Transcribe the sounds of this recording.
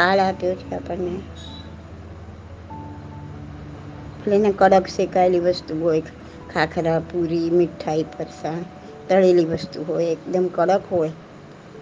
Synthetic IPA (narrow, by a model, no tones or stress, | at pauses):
palap̪eot͡ʃkapəɾne | pʰəlenekəɽəksekajlibəst̪uɦojk | kʰakʰɾapuɾimiʈʰːaipʰəɾsan | t̪əɽelibəst̪uɦojekd̪əmkəɽəkɦoe